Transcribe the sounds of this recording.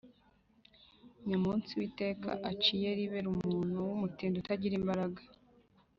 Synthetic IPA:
ɲamuːnt͡siwite̞ːka̰ʔat͡ʃije̞ɾiβeɾumuːn̥huwumutiːndutaɟiɾimbaɾaɡḁ

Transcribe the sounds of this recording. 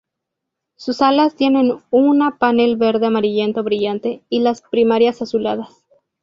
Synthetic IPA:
susalast̪je̞ne̞nunapane̞lβe̞ɾðe̞amaɾiʝe̞nt̪o̞βɾiʝant̪e̞ilaspɾimaɾjasasulaðas

